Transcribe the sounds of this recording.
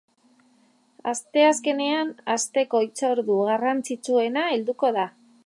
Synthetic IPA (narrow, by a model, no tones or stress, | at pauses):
ast̪e̞aske̞ne̞anast̪e̞ko̞it͡so̞ɾðuɣarant͡sit͡sue̞naeld̪uko̞ð̞a